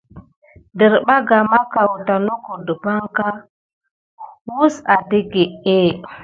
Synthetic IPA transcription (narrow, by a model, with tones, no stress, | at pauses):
də˨ɾɓa˦ɡa˨ma˦ka˨wu˨ta˨no˦ko˨də˨pa˦ŋka˦ | wu˦sa˨di˦ɡe˨e˦˨